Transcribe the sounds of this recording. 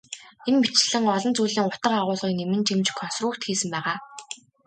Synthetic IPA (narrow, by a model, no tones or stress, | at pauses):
enmit͡ɕ̆ɮɘ̆ŋɔɮɞ̆nt͡suːɮiːŋʊt̪ə̆qaʁʊːɮʁiːknemɘ̆nt͡ɕimt͡ɕkʰɔnsruːkt̪xiːsɘ̆mpæːʁaː